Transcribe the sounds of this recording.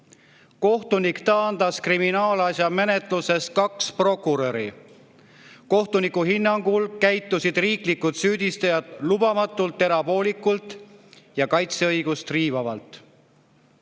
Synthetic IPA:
ko̞ht̪unikt̪ɑnd̪̥ɑskriminɑːlɑsjɑme̞ne̞t̪ˑluse̞st̪̚kɑkspro̞kːuɾo̞ɾi | ko̞ht̪unikuɦinːɑŋɡulkæjt̪ːˑusid̪̥riːklikːud̪̥syːd̪ist̪ɑjɑd̪lubɑmɑt̪ːˑult̪ːe̞ɾɑbo̞ːlikːult̪ˑ | jɑkɑjt̪seɤjɡ̥ust̪riːvɑvɑ̰lt̪ˑ

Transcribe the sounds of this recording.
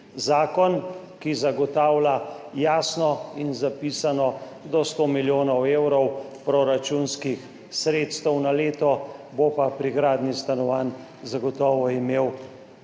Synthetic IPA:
zaːkɔn | kizaɡɔt̪aːwlajaːsnɔinzapiːsanɔ | d̪ɔst̪omiljoːnɔweːwɾɔwpɾɔɾat͡ʃunskix | sɾeːt̪st̪ɛwnaleːt̪ɔbopapɾiɡɾaːd̪nist̪anɔʋaːn | zaɡɔt̪ɔːʋɔimeːw

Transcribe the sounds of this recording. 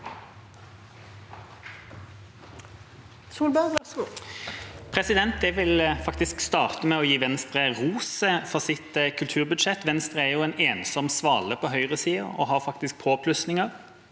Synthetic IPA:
suːlbæ | pʰʁɛsɪd̪ɛnt̪̚d̪ɛʋɪlfɑk̚t̪ɪskst̪ɑːʁt̪əmɛɔjiːʋɛnst̪ʁəʁuːsəfɔʁsɪt̪kʰʉlt̪ʰʉːʁbʉd̪ʃɛt̪ːʋɛnst̪ʁəæʁjuɛːneːnsɔmsʋɑːləpʰɔɦœʏʁəsiːə̰ɔ̰ɦɑʁfɑk̚t̪ɪsk̚pʰoːpʰlʉsnɪŋəʁ

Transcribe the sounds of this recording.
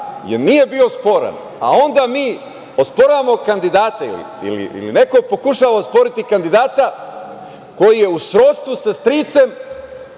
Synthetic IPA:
jḛɾnije̞bio̞spo̞ɾa̰n | a̰o̞nd̪amiː | ospoɾamo̞kand̪id̪aːt̪aḭlḭḭlḭḭline̞ko̞po̞kuʃaːʋaospo̞ɾit̪ikand̪id̪aːt̪a | ko̞jije̞usɾot̪st̪ʋusast̪ɾiːt̪se̞m

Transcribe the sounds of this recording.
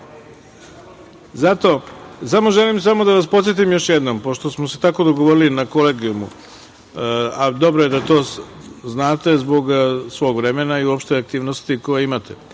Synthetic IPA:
zat̪o̞samo̞ʒe̞limsamo̞d̪aʋaspo̞t̪sjet̪̬imjo̞ʃjed̪no̞mpo̞ʃt̪osmoset̪ako̞d̪o̞ɡo̞ʋo̞ɾilinakoleːɡiumṵ | ad̪o̞bɾoje̞d̪at̪o̞ː | znaːt̪e̞zbo̞ɡsʋo̞ːɡʋɾe̞menaiuopʃt̪eak̚t̪iːʋnost̪iko̞jeimat̪ʰe̞

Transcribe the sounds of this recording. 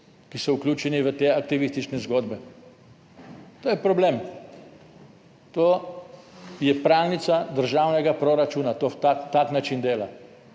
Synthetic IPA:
kisɔuklʲjuːt͡ʃɛniʋət̪eakt̪iʋist̪it͡ʃnɛzɡoːd̪bɛ | t̪oːjɛpɾɔblem | t̪o | jɛpɾawnit̪sad̪əɾʒawnɛɡapɾoɾat͡ʃuːnat̪ot̪at̪aknat͡ʃind̪eːla

